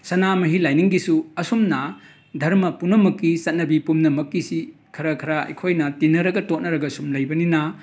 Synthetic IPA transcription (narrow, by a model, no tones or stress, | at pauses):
sɐnamɐɦilajniŋɡisuɐsumnɐ | dʱɐɾmɐpunɐmɐkːisɐt̚nɐbipumnɐmɐkːisi | kʰɐɾɐkʰɐɾaɐ̰jkʰojnɐtinːɐɾɐɡɐtot̚nɐɾɐɡɐsumlɐjbɐninɐ